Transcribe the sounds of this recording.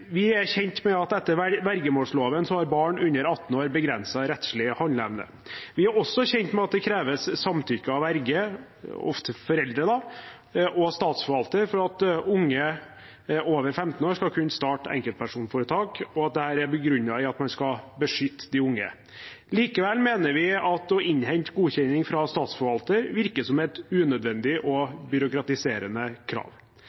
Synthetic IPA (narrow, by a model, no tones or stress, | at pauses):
ʋɪæɾçɛnt̪mɛɑt̪ɛt̪ːəɾʋæɾɡəmoːʂloːʋənsɔhɑɾbɑːɳʉnːəɾɑt̪ːn̩oːɾbəɡɾɛnsɑɾɛt̪ʂlɪhɔnlɛʋnə̰ | ʋɪæɾɔsːɔçɛnt̪mɛɑt̪̚d̪ɛkʰɾeːʋəsːɑmt̪ʰʏkːəɑʋæɾɡə | ɔ̰ft̪əfɔɾɛld̪ɾəd̪ɑ | ʔɔst̪ɑːt̪sfɔɾʋɑlt̪əɾfɔɾɑt̪ʊŋːə | oːʋəɾfɛmt̪n̩oːɾskɑlkʰʉnːst̪ɑːʈɛ̰ŋkəlt̪pʰæʂuːnfɔːɾət̪ʰɑːkɔɑt̪̚d̪ɛhæːɾæɾbəɡɾʉnːɑɪɑt̪mɑnskɑbəʂʏt̪ːd̪ɪʊŋːə̰ | liːkəʋɛlmeːnəɾʋɪɑt̪ɔʔɪɲhɛɲt̪ɡuːçɛnɪŋfɾɑst̪ɑːt̪sfɔɾʋɑlt̪əɾʋɪɾkəsɔmɛt̪ʉːnœd̪ʋɛnd̪ɪʔɔbʏɾʊkɾɑt̪ɪseːɾənəkʰɾɑ̰ːʋ